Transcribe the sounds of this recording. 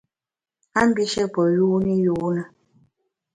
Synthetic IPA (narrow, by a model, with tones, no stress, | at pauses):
a˦m̩˦bi˦ʃɛ˦pɔ˨juː˦ni˦juː˨˦na˨